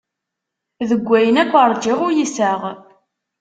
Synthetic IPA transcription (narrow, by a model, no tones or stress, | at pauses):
ðəɡʷːæjənækʷːəɾˤd͡ʒɪʁʊɾjisæʁ